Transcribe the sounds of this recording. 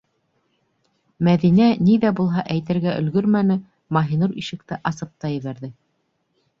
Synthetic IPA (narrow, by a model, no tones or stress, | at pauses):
mæðinæniðæbulˠɦɑʔæjt̪ɘ̆ɾɡæʔɵ̆lɡɵɾmænɘ | mɑɦinuɾiʃɘ̆k̚t̪ɘʔɑsɤp̚t̪ɑjɘ̆βæɾðɘ